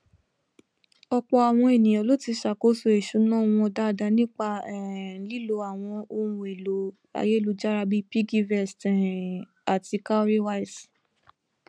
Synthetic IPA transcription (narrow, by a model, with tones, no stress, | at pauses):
ɔ˧k͡pɔ˧a˨w̃ɔ̃˧e˨nĩ˨j̃ɔ̃˨lo˨˦ti˧ʃa˨ko˨˦su˧˦e˨ʃu˨˦nã˦˨w̃ɔ̃˧da˦˨da˧˦nĩ˦k͡pa˧ɛ˨˦li˦lo˧a˨w̃ɔ̃˧o˧ɾ̃ũ˧˨e˨lo˨ | a̰˧je˦˨lu˧d͡ʒa˦ɾa˧bi˦pi˦ɡi˧vɛ˦˨stɛ̃˨ | a˨ti˧ka˦ɾi˦wa˦i˨s